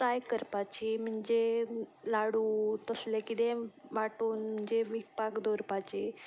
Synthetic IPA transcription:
ʈɾajkəɾpat͡ɕim̤əɳd͡ʑelaɽuːt̪əslekid̪ẽʋaʈuːnm̤əɳd͡ʑeʋikpakd̪ʱoɾpat͡ɕiː

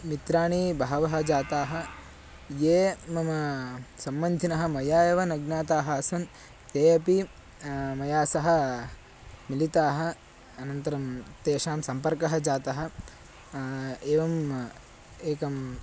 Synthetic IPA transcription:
mit̪ɾaːɳibʱaːɐʋɐɦɐd͡ʒaːt̪aːɦɐ | jeːmɐmɐsɐmːɐnd̪ʱinɐɦɐ̆mɐjaːjɐʋɐnɐɡnaːt̪aːɦɐɐsɐn | t̪eːɐpi | mɐjaːsɐɦɐ̆ | milit̪aːɦɐ̆ | ɐnɐnt̪ɐɾɐmt̪eːʃaːmsɐmpɐɾkɐɦɐd͡ʒaːt̪ɐɦɐ̆ | eːʋɐm | eːkɐm

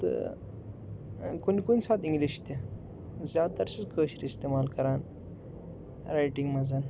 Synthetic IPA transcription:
t̪ɨ̰ | kunikunʲsaːt̪iŋɡliʃt̪e | zjaːt̪ɐɾsizkəːɕɾiist̪emaːlkɐɾaːn | ɾajʈiŋɡmɐzan

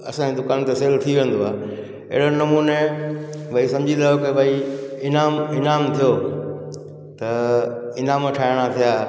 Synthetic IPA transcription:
ɐ̰sãd͡ʑed̪ʊkaːnt̪eseːlt̪ʰiʋẽːnd̪oaː | ɪ̰ɦɪɽ̤onɐmuːne | bʱɐɦisɐ̃md͡ʑʱid̪aːjokɪbɐiɪnaːmɪnaːmt̪ʰijo | t̪ɐɪnaːmʈʰaːɪɽ̃at̪ʰijaː

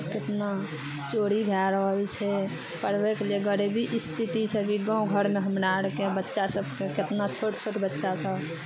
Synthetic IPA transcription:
ket̪na | t͡ʃoɽiɡʱaɾəɦəlt͡ʃʰɛ | pəɾbekeleɡəɾebʱiʔist̪ʰit̪isʰəbʱiɡãɡʱəɾmeɦəmɾaɾkebətːʃasəbkeket̪nat͡ʃʰoʈt͡ʃʰoʈbətːʃasəb

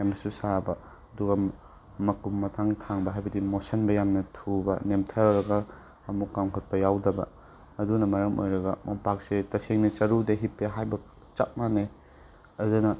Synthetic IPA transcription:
jamnɐsusabɐ | ɐduɡɐ | mɐkumːɐtʰaŋtʰaŋbɐɦajbɐdimosɐnbɐjamnɐtʰubɐnemtʰɐwɾɐɡɐː | mukːamkʰot̚pɐjawdɐbɐ̰ː | dunɐmɐɾɐmo̰jɾɐɡɐmɐpak̚setɐseŋnɐt͡ʃɐɾudeɦipːeɦajbɐ | t͡ʃat̚mane | ɐdunɐ

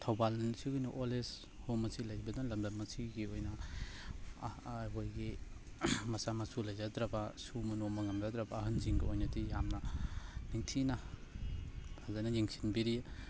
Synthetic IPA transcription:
tʰawbalsiɡujniʔoles | homɐsʰilajbɐdalɐmdɐmːɐsʰiɡiojnɐ | kʰojɡi | mɐsamɐsulajzadɾabasumɐnomɐŋɐmzadɾabaːɦɯnziŋɡɐojnɐdijamnɐniŋtʰina | hazajnɐjiŋsʰi̥nbiɾi

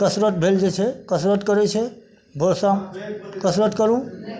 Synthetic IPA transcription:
kəsɾət̪̚bʱeld͡ʒet͡ʃʰɛkəsɾət̪kəɾɛt͡ʃʰɛ | bʱosakəsɾət̪kəɾũ

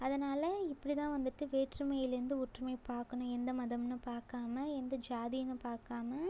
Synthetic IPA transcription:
ɐðɐnaːlɐɪpːɐɽit̪ãːʋɐnd̪ɯʈːɯʋeːʈɾɯmɐjɪlɪɾɯnd̪ɯʊʈɾɯmɐɪpaːɾkɐɳʊ̃ɛnd̪ɐmɐðɐmnɯpaːɾkaːmɐɛnd̪ɐd͡ʒaːðijɐnɯpaːɾkaːmɐ

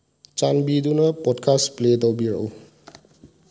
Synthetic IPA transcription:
t͡ʃanbidunapɔdkʰaspledɔwbiɹɔ̰w

